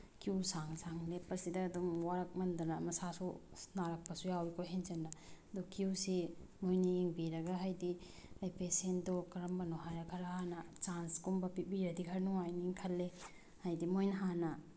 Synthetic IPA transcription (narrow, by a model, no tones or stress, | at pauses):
kiwsaŋsaŋlepɐɾsidɐːdumwaɾak̚mɐndanamɐsasunaɾɐk̚pɐsujawikʰojɦenzɐnɐ | d̪ukʰuwsimojniiŋbiɾɐɡaɦajdi | ajpesendɔkɐɾɐmbɐnɔɦajɾɐkʰɐɾahanɐt͡ʃanskumbɐpibiɾɐdikʰɐɾnuŋajniiŋkʰɐlːe | hajdimojnɦanɐ